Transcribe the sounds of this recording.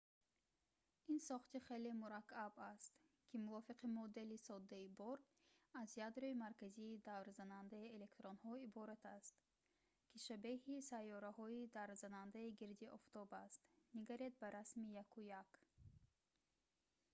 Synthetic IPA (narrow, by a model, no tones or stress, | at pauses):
insɔχt̪iχe̞lemuɾakːabast̪ | kʲʰimuvɔfiqimɔd̪e̞lisɔd̪ːaibɔɾ | azjad̪ɾoimaɾkaziːd̪avɾzanand̪aiele̞kt̪ɾonhɔibɔɾat̪ʰast̪ | kʲʰiʃabehisajːɔɾahɔid̪aɾzanand̪aiɡiɾd̪iʔɔft̪ɔbast̪niɡaɾed̪̚baɾasmijakʰujak